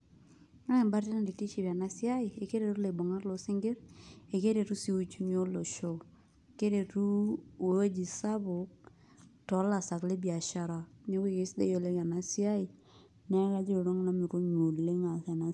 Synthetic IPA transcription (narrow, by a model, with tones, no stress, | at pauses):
ŋa˦ɛ˨mba˦ɾti˦na˨di˨ti˦t͡ʃi˨ba˨na˦si˦a˦i˨e˨ke˦ɾe˨tu˦le˨bo˨ŋa˦ɾlo˨sɪ˦ŋɡɪ˦ɾe˨ke˦ɾe˨tu˦si˦u˦t͡ʃu˦ɲo˦lo˨ʃo˦˨ | ke˦ɾe˨tu˦e˨o˦d͡ʒi˨sa˦bʊ˨k̚ | tɔ˨˦la˨sa˨kle˦bi˨a˨ʃa˨ɾa˨ne˦ke˦˨kɪ˦sdḛ˦jo˨le˦ka˨na˨si˦a˦i˨ | nɛ˦ka˦d͡ʒe˦˨ɾo˦ŋna˦mi˨ɾo˦ɲo˨le˦ŋa˨θa˨na˨